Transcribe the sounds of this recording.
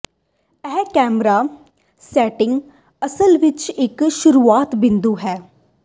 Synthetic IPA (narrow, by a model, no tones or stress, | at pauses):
ɛːkɛːmɾaː | sɛːʈɪ̃ŋɡ | əsəlʋɪt͡ʃɪkʃʊɾuːaːt̪bɪ̃nd̪uːɦɛː